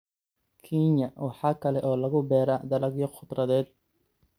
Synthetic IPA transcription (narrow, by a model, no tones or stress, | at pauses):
kʰinɐwɑħɑːkʰɐlɛʔɔːlɐɣʊbɛːɾɐd̪ɐlɐɡjɔχʊd̪rɐðɛːd̪̚